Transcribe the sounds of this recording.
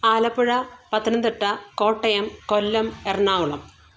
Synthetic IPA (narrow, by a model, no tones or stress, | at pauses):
aːlɐpːuɻɐpɐt̪ːɐnɐnd̪iʈːɐko̞ːʈːɐjɐmkolːɐmerɳaːwuɭɐm